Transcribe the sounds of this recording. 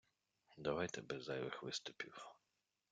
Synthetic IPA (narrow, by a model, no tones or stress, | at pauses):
d̪ɐʋajt̪ɛbɛzːɑjʋɪxʋɪst̪ʊpʲiw